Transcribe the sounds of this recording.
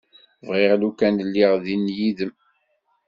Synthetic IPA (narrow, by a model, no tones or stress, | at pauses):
vʁɪʁlukænlːiʁðinjiðəm